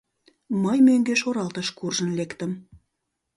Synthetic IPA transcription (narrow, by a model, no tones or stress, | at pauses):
məjmøŋɡøʃoɾɑlt̪əʃkurʒənlekt̪əm